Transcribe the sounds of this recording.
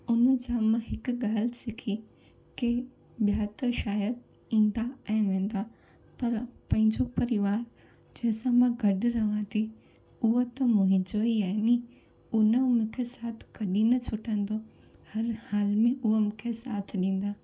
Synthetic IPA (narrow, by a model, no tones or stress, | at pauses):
ʊnəd͡ʑaːmãɦɪkʊɠaːlɪsɪkʰi | ke | ɓjaːt̪əʃaːjəd̪̚ | ĩːn̆d̪aɛ̃ːʋẽːn̆d̪a | pɐɾpɐ̃ɦɪ̃ɲd͡ʑopɐɾɪʋaːɾ | d͡ʑɐ̃ɦɪ̃sãmãɡʱɐɗɾɐʋãt̪ʰi | ʊɦot̪ɐmoːɦɪ̃d͡ʑoːiaːni | ʊnəmʊ̃kʰesaːt̪ʰkɐɗinɐt͡ɕʰʊʈə̃n̆d̪o | hɐɾhaːlmẽʊɦomʊ̃kʰesaːt̪ʰɗĩːn̆d̪aː